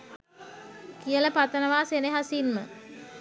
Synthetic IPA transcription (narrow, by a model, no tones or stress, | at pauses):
kijələpat̪ənəʋaːseneɦasinmə̰